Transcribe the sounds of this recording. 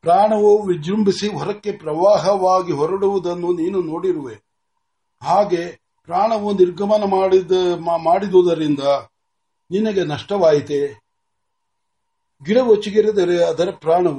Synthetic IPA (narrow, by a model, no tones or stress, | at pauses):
pɾaːɳɐʋuʋid͡ʒɾumbisiɦɔɾɐkːe̞pɾɐʋaːɦɐʋaːɡiɦɔɾɐɽuʋud̪ɐnːuniːnunoːɽiɾuʋe | ɦaːɡe̞ | pɾaːɳɐʋuniɾɡʱɐmɐnɐmː | maːɽid̪ud̪ɐɾind̪ɐ | ninɐɡenɐʂʈɐʋaːjit̪e | ɡiɽɐʋot͡ʃːiɡiɾed̪ɐɾeɐd̪ɐɾɐpɾaːɳɐʋu